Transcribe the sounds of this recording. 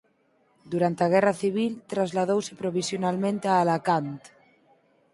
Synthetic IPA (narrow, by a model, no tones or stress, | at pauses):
d̪uɾant̪aɣ̞ɛraθiβ̞ilt̪ɾazlaðowsepɾoβ̞isjonalmẽnt̪ealakant̪